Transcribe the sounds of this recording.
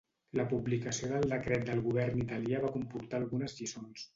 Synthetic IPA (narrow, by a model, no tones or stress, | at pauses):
ləpublikəsioðəlˠd̪əkɾɛt̪̚d̪əlˠɣuβ̞ɛɾnit̪əliaβakumpuɾt̪aːlˠɣunəzʎisons